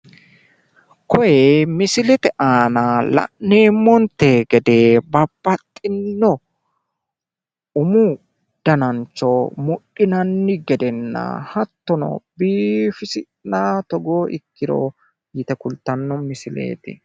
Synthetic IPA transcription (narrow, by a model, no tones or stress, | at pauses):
kɔjɛmɪsɪlɛt̪ɛʔaːnalɐ̰ʔneːmːɔnt̪ːeɡɛd̪e̞ːbɐbːɐt̪ʼːɪnːɔ | ʊmʊ | d̪̥ɐnɐnt͡ʃːɔmʊɗɪnɐnːɪɡɛd̪ɛnːɐ̰hɐt̪ːɔnɔ̰biːfɪsɪ | nat̪ɔɡoːʔɪ̰kːɪɾo̰ | jɪt̪ɛkʊlt̪ːɐnːɔmɪsɪlḛːt̪ɪ̰